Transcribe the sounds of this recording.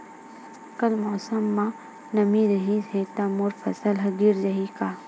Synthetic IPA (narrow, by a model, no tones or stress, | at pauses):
kɐlmɔːsəmːã | nɐmiɾɐɦiset̪amʊɾfʰɐsəlɦɐɡiɾd͡ʒɐɦikaː